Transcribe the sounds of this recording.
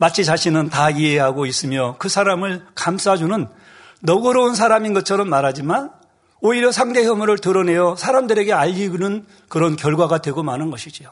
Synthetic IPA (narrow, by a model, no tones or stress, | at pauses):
mat͡ɕʰit͡ɕaɕʰinɯntaieɦaɡois͈ɯmjʌkɯsʰaɾamɯɭkams͈ad͡ʑunɯnː | ʌɡɯɾʌuns̬ʰaɾaminɡʌt͡ɕʰʌɾʌmːaɾɦad͡ʑiman | oiɾjʌsʰaŋde̞ɦjʌmuɾɯɭtɯɾʌne̞jʌsʰaɾamdɯɾe̞ɡe̞aʎːiɡnɯn | kɯɾʌnkjʌɭɡwaɡadwe̞ɡomanɯnɡʌɕʰid͡ʑio